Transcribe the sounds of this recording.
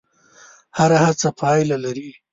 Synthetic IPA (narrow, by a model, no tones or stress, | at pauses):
haɾahat͡sapʰɑjlalaɾi